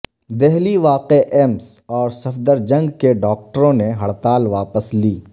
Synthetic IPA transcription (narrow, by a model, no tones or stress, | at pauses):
d̪ɛɦliʋaːqeʔɛːmsɔːɾsɐfd̪əɾd͡ʒɐ̃ŋɡkeɖɔːk̚ʈəɾõneɦɐɽt̪aːlʋaːpəsliː